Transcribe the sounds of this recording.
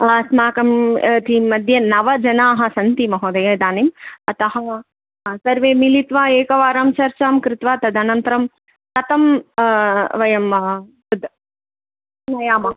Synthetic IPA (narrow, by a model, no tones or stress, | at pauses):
smaːkɐmt̪imɐd̪ʱjɐnɐʋɐd͡ʒɐnaːɦɐ̆sɐnt̪imɐɦoːd̪ɐjɐd̪aːnimɐt̪ɐɦɐ | sɐɾʋeːmilit̪ʋaːeːkɐʋaːɾaːmt͡ʃɐɾt͡ʃaːmkɾɪt̪ʋaːt̪ɐd̪ɐnɐnt̪ɐɾɐm | k̪ɐt̪ɐm | ʋɐjɐmt̪ɐd̪ | nɐjaːmɐ